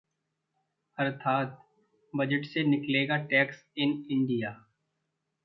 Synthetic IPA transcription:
ɐɾt̪ʰaːt̪̚ | bɐd͡ʒəʈsenɪkleːɡaʈɛːksɪnɪ̃ɳɖijaː

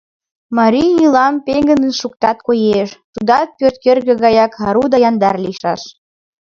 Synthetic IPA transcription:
mɑɾʲijilɑmpeŋɡənənʃukt̪ɑt̪kojeʃt̪ud̪ɑt̪̚pørt̪̚kerɣə̆ɣɑjɑkɑɾud̪ɑjɑnd̪ɑrliʃɑʃ

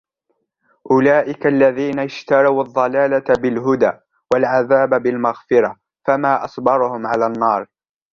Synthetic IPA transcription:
ʔʊlaːʔɪkaʔlːaðiːnaɪʃt̪ɑɾˤɑwʔɑðˤːɑlaːlabɪlɦʊd̪aː | walʕaðaːbabɪlmaɣfɪɾa | famaːʔɑsˤbɑɾˤʊhʊmʕalaːnːɑːɾˤ

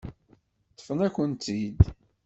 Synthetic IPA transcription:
t̪ːə̥fənækʷənt̪id̪

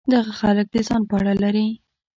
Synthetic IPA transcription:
d̪aɣaxalək̚d̪əzɑnpəaɽalaɾi

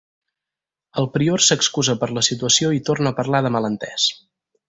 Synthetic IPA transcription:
əlˠpɾioɾsəkskuzəpəɾləsit̪uəsioit̪ornəːpəɾlaðəmələnt̪ɛs

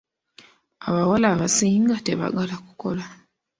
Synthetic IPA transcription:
a̰βawalaːβasiːŋɡate̞βa̰ɡalaku̥ko̞la

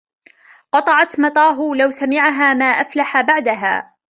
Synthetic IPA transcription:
qɑt̪ˤɑʕɑt̪mɑt̪ˤɑːɦʊlawsamɪʕaɦaːmaːʔaflaħabaʕd̪aɦa̰ː

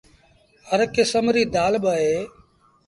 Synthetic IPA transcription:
həɾkesəmɾiːd̪aːlɓəːɦeː

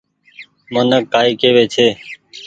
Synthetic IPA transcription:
mənəkːaːiːkeːʋeːt͡ʃʰeː

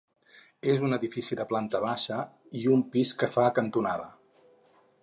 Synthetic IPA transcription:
ezunəðifisiðəplant̪əβaʃə | iumpiskəfakənt̪unaðə

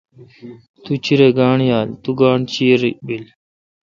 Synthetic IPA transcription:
t̪ut͡ɕʰiɾeːɡaːɳjaːlt̪uɡaːɳt͡ɕiɾibil

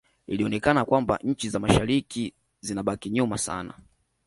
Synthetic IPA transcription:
iliɔnɛkanakwamba̰ɲ̩t͡ʃizamaʃaɾiki | zinaɓakiɲumasa̰na̰

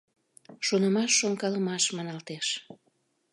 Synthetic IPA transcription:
ʃonəmɑʃːoŋkɑləmɑʃmɑnɑlt̪eʃ

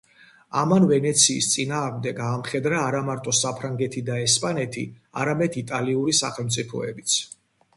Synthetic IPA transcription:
a̰manvɛnɛt̪sʰiːst̪sʼinaːʁmd̪ɛɡaːmχɛd̪ɾaːɾamaɾt̪ʼɔsapʰɾaŋɡɛt̪ʰid̪aɛspʼanɛt̪ʰḭa̰ɾamɛd̪it̪ʼaliuɾisa̰χɛlˠmt̪sʼipʰɔ̰ɛbit̪sʰ

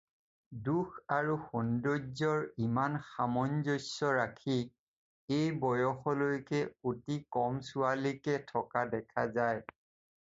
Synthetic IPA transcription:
dukʰaɹuxɔndozɔɹimanxamɔnzojsɔɹakʰi | ejbɔjɔxɔlojkɛotikɔmsʊalikɛtʰɔkadɛkʰazaj

